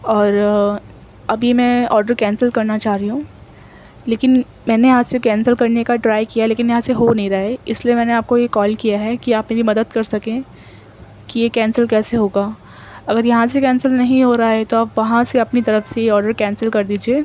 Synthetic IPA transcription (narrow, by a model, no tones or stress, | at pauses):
ɔːɾ | ɐbʱimɛ̃ɔːɾɖəɾkɛ̃ːnsəlkɐɾnat͡ʃaːɦɾiɦũ | leːkɪn | mɛːnejɐɦãsekɛ̃ːnsəlkɐɾnekaɖɾaːɪkijaleːkɪnjɐɦãseɦonɐɦĩɾaːeɪsliemɛ̃ːneaːp̚kojekɔːlkijaɦɛkiaːpmelimɐd̪əd̪kɐɾsɐkẽː | kijekɛːnsəlkɛːseɦoːɡaː | ɐɡəɾjɐɦãsekɛ̃ːnsəlnɐɦĩɦoːɾaɦaɦɛt̪oaːpʋɐɦãseɐpnit̪ɐɾəfsejeɔːɾɖəɾkɛ̃ːnsəlkɐɾd̪iːd͡ʒieː